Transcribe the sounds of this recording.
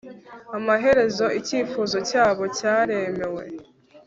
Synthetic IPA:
amaɦe̞ɾe̞zo̞iciːfuːzo̞caːβo̞caːɾe̞me̞we̞̰

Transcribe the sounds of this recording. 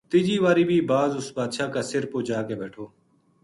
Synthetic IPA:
t̪ɪd͡ʒiːʋaːɾiːbʱiːbaːzʊsbaːd̪ʃaːkaːsɪɾpoːd͡ʒaːkeːbeːʈʰoː

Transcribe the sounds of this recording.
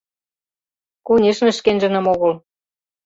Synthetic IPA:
kunʲeʃnə̆ʃkenʒə̆nə̆moɣɤ̆l

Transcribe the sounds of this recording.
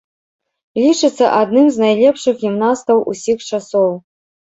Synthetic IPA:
lʲit͡ʂɨt̪sːɐ̰ʔad̪nɨmznajlʲɛpʂɨxɣʲimnast̪ɐwʔṵsʲixt͡ʂasɔw

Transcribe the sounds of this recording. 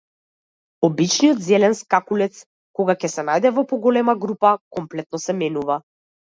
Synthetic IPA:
ɔbit͡ʃnijɔt̪zɛlɛnskakulɛt̪s | kɔɡakɛsɛnajd̪ɛvɔpɔɡɔlɛmaɡɾupakɔmplɛt̪̚nɔsɛmɛnuva

